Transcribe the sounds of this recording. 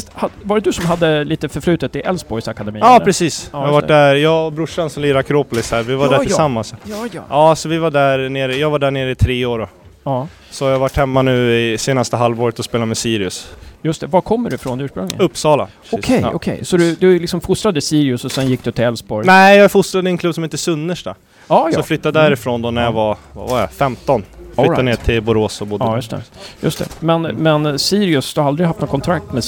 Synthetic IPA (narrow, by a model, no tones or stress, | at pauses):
had̪vaɾɛd̪ɵsɔmɦad̪ːəliːt̪əfœɾflʉ̟ːt̪ət̪ʰːɪʔɛlsbɔɾjsakad̪ɛmiːɑːp̪ʰɾɛsiːshavaɖæɾjɑːbɾʊʂansɔmliːɾakʰɾoːpʊlɪshæːɾvɪvaɖæɾɪsamːansɑ̰ɑːsɔvɪvaɖæɾneːɾəjɑːɡvaɖæːɳeːɾəɪt̪ʰɾeːoːɖɔ | ɑː | sɔhajaɡvaʈːhɛmːanʉ̟ːɪseːnast̪əɦalvoːɾət̪ɔspeːlamɛsiːɾɪɵsjɵst̪ɛvakʰɔmːəɖɵfɾonʉ̟ːʂpɾɵŋlɪ̰ɵpːsɑːla̰ | ɔkʰɛjʔɔ̰kʰɛ̰jsɔd̪ɵd̪ɵlɪksɔmfʊst̪ɾad̪əɪsiːɾɪʊsɔsɛnjɪk̚ːd̪ɵt̪ʰːɪɛlsbɔɾnɛɪjɑfʊst̪ɾad̪ɪɛnk̪ʰɵbːsɔmɪnt̪əsɵnːəʂʈa | ɑːflʏt̪ːad̪d̪æɾɪfɾoːnd̪ɔnæɾjavava̰vaɛfɛmt̪ɔnflʏːaneːʈʰɪlbʊɾoːsɔbʊdjɵst̪ʰɛ̰jɵ̰st̪ʰɛ̰mɛnmɛnsiːɾɪʊsd̪ɵhaɾald̪ɾɪɡhaft̪noːkʰɔnt̪ʰɾak̚t̪mɛ